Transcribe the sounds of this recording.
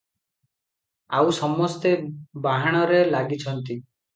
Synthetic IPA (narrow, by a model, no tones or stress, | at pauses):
awsɔmːɔst̪ebaɦaɽ̃ɔɾelaɡit͡ʃʰɔnt̪i